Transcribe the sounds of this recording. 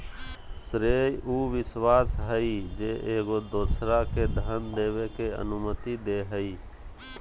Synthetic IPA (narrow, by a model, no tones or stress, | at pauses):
sɾejuʋɪswaːsɦəid͡ʒeʔeːɡod̪oːsɾaked̪ʱənd̪eːʋekeə̰nʊmət̪id̪eɦəi